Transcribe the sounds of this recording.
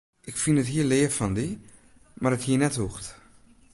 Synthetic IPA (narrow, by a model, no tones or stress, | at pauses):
ʔɪkfinətɦiəlɪəfɔndi | marəthiənɛthuxt